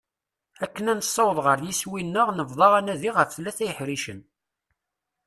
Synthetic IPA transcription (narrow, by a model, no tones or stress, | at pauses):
ækːənænsˤːɑwəðˤʁəɾˤjiswinːəʁnəvðˤɑʁænæðiʁəfθlːæθæjəħɾiʃən